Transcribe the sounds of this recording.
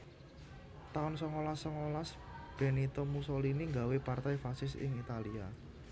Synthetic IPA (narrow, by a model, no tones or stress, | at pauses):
t̪aʊnsɔŋolasːɔŋolasb̥ɛ̤nit̪ɔmusoliniŋɡawepart̪ajfasɪsɪ̰ŋit̪alia